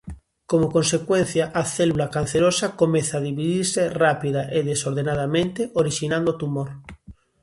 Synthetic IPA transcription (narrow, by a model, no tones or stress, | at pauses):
komokõnsekwen̟θjaʔaθelulakan̟θeɾosakomeθaðiβiðiɾserapiðaʔeðesoɾð̞enað̞amẽnt̪eʔoɾiʃinãnd̪ot̪umoɾ